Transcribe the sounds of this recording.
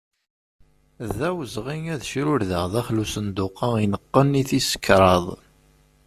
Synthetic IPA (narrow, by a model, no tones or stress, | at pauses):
ðæwəzʁiŋæðʃɾʊɾðəʁðæχlusənd̪ʊqɑinəqːənːiθisə̥kːɾˤɑðˤ